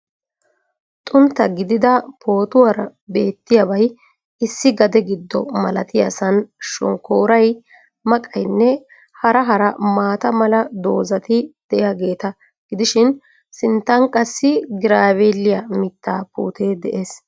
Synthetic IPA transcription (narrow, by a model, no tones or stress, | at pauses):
t̪ʼʊnt̪ːɐɡɪd̪ɪd̪ɐpʰo̞ːt̪ʊwɐɾɐ | be̞ːt̪ːɪjɐbɐj | ɪsːɪɡɐd̪ɛɡɪd̪ːɔmɐlɐt̪ɪjɐsɐnʃɔ̰ŋkoːɾɐj | mɐkʼɐjnːɛ | hɐɾɐɦɐɾɐmaːt̪ɐmɐlɐd̪o̞ːzɐt̪ɪd̪̥ɛʔɪjaɡe̞ːt̪ɐ | ɡ̥ɪd̪ɪʃɪn | sɪnt̪ːɐŋkʼɐsːɪɡɪɾaːβelːɪjɐmɪt̪ːaːpṵːt̪ʰeːd̪ɛʔe̞ːs